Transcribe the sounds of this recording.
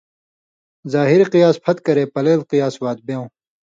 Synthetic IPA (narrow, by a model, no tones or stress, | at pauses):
zaːɦiɾiqijaːspʰɐt̪kɐɾeːpɐleːlqijaːswaːd̪̚beːõː